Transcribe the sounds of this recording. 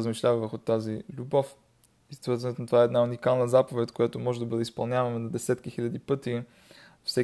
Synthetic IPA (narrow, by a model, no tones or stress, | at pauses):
əzmiʃlʲavɐvəɾxʊt̪azilʲubɔf | ist̪vəɾzɐnɛt̪onɐt̪ovaɛd̪naunikalˠnəzapovɛt̪ʲkojat̪omɔʒɛd̪ɐbɤd̪ɛispɐlˠnʲavɐmɛnɐd̪ɛsɛt̪k̟ixilʲəd̪ipɤt̪i | fsɛ